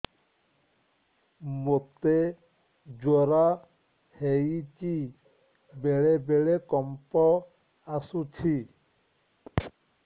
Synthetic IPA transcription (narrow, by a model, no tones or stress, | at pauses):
mop̚t̪e | d͡ʒɔɾa | heit͡ʃi | beɭebeɭekɔmpɔ | asutʰi